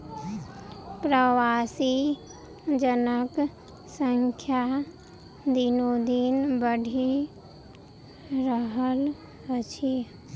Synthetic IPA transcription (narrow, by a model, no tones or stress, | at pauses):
pɾəʋasi | d͡ʒənək | səŋkʰja | d̪inod̪inbəɖʱi | ɾəɦəl | ət͡ʃʰi